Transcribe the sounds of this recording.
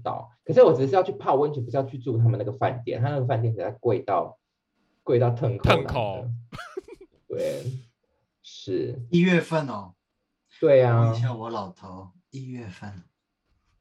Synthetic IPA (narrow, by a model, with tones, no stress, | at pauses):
t̪ɑ̰˨˩˦ʊkʰə˨˩ʂ̬̩˥˩wɔ˨˩ʈ͡ʂɻ̩˧˩˥jt͡ɕʰy˥˩pʰa˥˧wə˥nʈ͡ʂʰɻ̩˨˩pʂ̬ɑ˥˧ʊt͡ɕʰy˥˧t͡su˥˧˩t̪ʰa˥mə˨na˥˨˩ɡə˩fa˥˧nt̪jɛ̰˥˩nt̪ʰa˥˧n˥˩ɡə˧fa˥˧t̪jɛ˥˩˨a˥˧ɪkwe˥˧ɪt̪ɑ˥˧ʊ | kwe˥˧ɪt̪̬ɑ˥˧ʊt̪ʰə˥˧ŋk̪ʰə˥˦ŋna˨o˨˦˨d̪ə̰˦ | we˥˨˩ | ʂɻ̩˥˩i˥˧ɥɛ˥˧fə˥˧nɔ˨˩ | t̪we˥˩ɪɐ˨˩t͡ɕʰo˧˥wɔ˧˥lɑ˨˩ʊt̪ʰo˧˦ʊ | i˥˧ɥɛ˥˧fə˥˩n